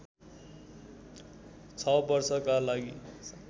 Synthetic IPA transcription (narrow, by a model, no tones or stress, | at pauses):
t͡sʰʌbʌrsʌkalaɡi